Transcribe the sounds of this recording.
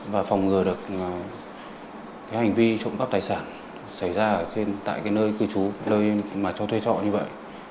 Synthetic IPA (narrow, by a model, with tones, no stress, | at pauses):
vaː˨˩fɔ˨˩wŋ͡mŋɨ˨˩əɗɨ˨˩ək̚ | kaː˨˦jha˨˩jŋ̟vi˧t͡ɕə̰˧˨wŋ͡mka˦˥p̚t̪aː˨˩jsaː˧˩n | sa˧˩jzaː˧ə˧˨˩t͡ɕe˧nt̪a̰ː˧˨kaː˨˦jnəː˧jkɨ˨˧˩t͡ɕu˨˦ləː˧jmaː˨˩t͡ɕɔ˧wt̪ʰwe˧t͡ɕɔ̰˧˨ɲɨ˧və̰˧˨jʔ